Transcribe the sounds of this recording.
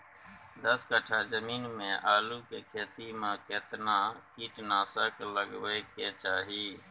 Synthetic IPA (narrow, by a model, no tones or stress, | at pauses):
d̪əskəʈʰaːzəmiːnmẽːʔaːluːkeːkʰeːt̪iːmãːkeːt̪nãːkiːʈnaːsəkləɡʋeːkeːt͡ʃaːɦiː